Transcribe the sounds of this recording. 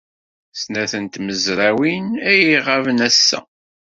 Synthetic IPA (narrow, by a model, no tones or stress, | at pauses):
snæθənt̪məzɾˤæwinæjiʁavnæsːæ̰